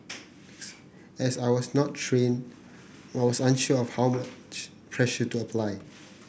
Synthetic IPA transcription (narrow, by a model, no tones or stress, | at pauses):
ɛsaɪjwɔsnɔtʰɹẽn | aɪwɔsãnʃuɔfhawmat͡ʃt͡ʃ | pʰɹɛʃətuəpʰlaɪ